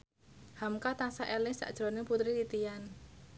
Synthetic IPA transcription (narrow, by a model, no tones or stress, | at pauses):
hamkat̪asaʔɛlɪŋsa̰ʔd̥ʒ̥ɾoneput̪ɾit̪it̪ijan